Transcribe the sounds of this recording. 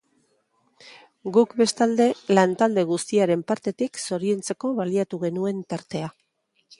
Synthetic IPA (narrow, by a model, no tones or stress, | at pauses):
ɡukbe̞st̪ald̪e̞lant̪ald̪e̞ɣ̞ust̪iaɾe̞mpaɾt̪e̞t̪ikso̞ɾie̞nt͡se̞ko̞βaliat̪uɣ̞e̞nue̞nt̪aɾt̪e̞a